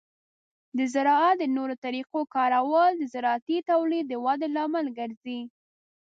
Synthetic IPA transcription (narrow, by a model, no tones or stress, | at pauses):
d̪əzɪɾɑat̪̚d̪ənoɾot̪aɾiqokɑɾawəld̪əzɪɾɑat̪it̪awlid̪ːəwɑd̪elɑməlɡəɾzi